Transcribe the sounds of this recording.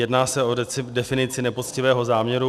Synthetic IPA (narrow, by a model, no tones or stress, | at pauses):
jɛdnaːsɛodɛfɪnɪt͡sɪnɛpo̞t͡scɪvɛːɦo̞zaːmɲɛɾu